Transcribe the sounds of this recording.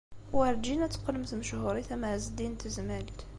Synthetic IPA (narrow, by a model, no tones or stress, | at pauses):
wəɾd͡ʒinæt͡sːqːələmθməʃhʊɾˤiθæmʕzd̪int̪əzmælt̪